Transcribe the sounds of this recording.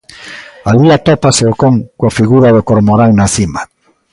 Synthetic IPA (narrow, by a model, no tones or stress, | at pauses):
aliat̪opaseokoŋkwafiɣuɾaðokoɾmoɾaŋnaθima